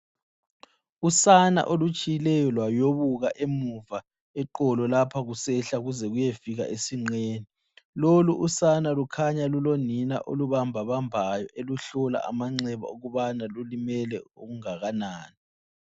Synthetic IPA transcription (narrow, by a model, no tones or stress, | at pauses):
usana̰ʔolut͡ʃʼijilɛjɔlwajoβuɣaʔemuva | ɛǃɔlɔlapʰaɣusɛɬaɣuzɛɣujefiɣa̰ʔesiŋ͡ǀeːni | loluʔusanalukʰaɲalulonina̰ʔoluβambʱaβambʱajɔʔeluɬɔla̰ʔa̰maŋ͡ǀɛβa̰oɣuβanalulimɛlɛuɣuŋaɣanaːni